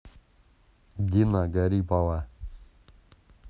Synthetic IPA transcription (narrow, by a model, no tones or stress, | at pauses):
dinaɡaɾipawa